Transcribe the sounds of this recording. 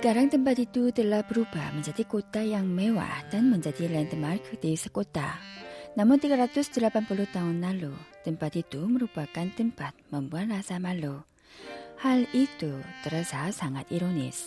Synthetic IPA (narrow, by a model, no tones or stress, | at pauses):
sə̥kaɾaŋt̪əmpat̪it̪ut̪əlahbəɾuba̰hməɲd͡ʒadikot̪ajaŋmewa̰hd̥anməɲd͡ʒadilaɪnt̪əmarkʰd̥isəkot̪a̰namʊnt̪iɡaɾat̪ʊsd̪̥əlapanpulʊht̪aɦʊnlalut̪əmpat̪it̪uməɾupakant̪əmpat̪̚məmbuanrasamalu | halit̪ut̪əɾasasaŋat̪iɾonɪ̰s